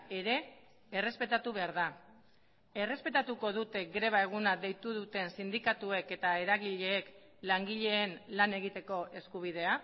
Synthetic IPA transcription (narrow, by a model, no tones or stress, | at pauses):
e̞ɾe̞ː | re̞spe̞t̪at̪uβe̞aɾða | e̞re̞spe̞t̪at̪uko̞ð̞ut̪e̞ɡɾe̞β̞ae̞ɣ̞unaðe̞jt̪uðut̪e̞nsind̪ikat̪ue̞ke̞t̪aeɾaɣiʎe̞ːk | laŋɡiʎe̞ːnlane̞ɣ̞it̪e̞ko̞ʔe̞skuβ̞ið̞e̞a